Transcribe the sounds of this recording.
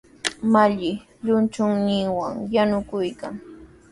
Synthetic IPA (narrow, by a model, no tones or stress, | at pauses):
maʎɪ | ʎʊnt͡ʃʊŋnɪŋwa̰ŋjanʊkʊjkaŋ